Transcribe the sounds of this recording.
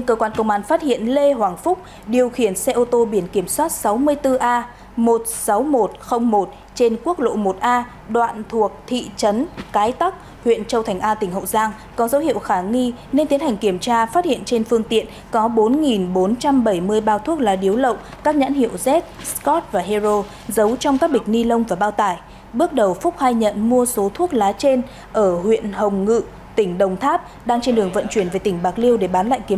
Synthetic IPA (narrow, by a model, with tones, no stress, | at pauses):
ɲ˧kəː˧kwaː˧nkə˧wŋ͡mʔaː˧˩nfaː˦˥t̚hḭ˧˨ənle˧ɦhwaː˨˩ŋfʊ˦˥k͡p̚ | ɗi˨˩əwxi˧˩ənsɛ˧ʔo˧t̪o˧ɓi˧˩ənki˧˩əmswaː˦˥t̚sa˨˦wmɨ˧əjt̪ɨ˧ʔaː˧ | mo˨˩t̚sa˨˦wmo˨˩t̚xə˧wŋ͡mmo˨˩t̚ | t͡ɕe˧nku˦˥ək̚lo̰˧˨mo˨˩t̚ʔaː˧ | ɗwa̰ː˧˨nt̪ʰu˨˩ək̚t̪ʰḭ˧˨t͡ɕə˨˦nkaː˨˦jt̪a˦˥k̚ | hwḭ˧˨ənt͡ɕə˧wt̪ʰa˨˩ŋ̟ʔaː˧t̪ï˨˩ŋ̟ɦə̰˧˨wzaː˧ŋ | kɔ˨˦zə˨˦whḭ˧˨ə˨wxaː˧˩ŋi˧ | ne˧nt̪i˨˦ənha˨˩jŋ̟ki˧˩əmt͡ɕaː˧faː˦˥t̚hḭ˧˨ənt͡ɕe˧nfɨ˧əŋt̪ḭ˧˨ən | kɔ˨˦ɓo˨˦nŋi˨˩nɓo˨˦nt͡ɕa˧mɓə˧˩jmɨ˧əjɓaː˧wt̪ʰu˦˥ək̚laː˨˦ɗi˨˦wlə̰˧˨wŋ͡m | kaː˦˥k̚ɲa̰ː˧˥nhḭ˧˨əwzɛ˦˥t̚skɔ˦˥t̚vaː˨˩ɦe˧zo˧ | zə˨˦wt͡ɕɔ˧wŋ͡mkaː˦˥k̚ɓï˨˩k̟̚ni˧lə˧wŋ͡mvaː˨˩ɓaː˧wt̪aː˧˩j | ɓɨ˦˥ək̚ɗə˨˩wfʊ˦˥k͡p̚haː˧jɲə̰˧˨nmu˧əso˨˦t̪ʰu˦˥ək̚laː˨˦t͡ɕe˧n | ʔəː˧˩hwḭ˧˨ənhə˨˩wŋ͡mŋɨ̰˧˨ | t̪ï˧˩ŋ̟ɗə˨˩wŋ͡mt̪ʰaː˦˥p̚ | ɗaː˧ŋt͡ɕe˧nɗɨ˨˩əŋvə̰˧˨nt͡ɕwi˧˩nve˨˩t̪ï˧˩ŋ̟ɓaː˨˩k̚li˧əwɗe˧˩ɓaː˨˦nla̰ː˧˨jki˨˦ə˦